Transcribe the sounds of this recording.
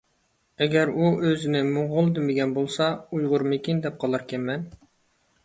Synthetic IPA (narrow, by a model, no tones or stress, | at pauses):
ɛɡʲɛɾuʔøzɪnɪmʊʁʊlˠd̪ɪmɪɡʲɛnbolˠsɑujʁʊɾmɪkʲind̪ɛp̚qʰɑlˠɑɾkʲʰɛnmɛn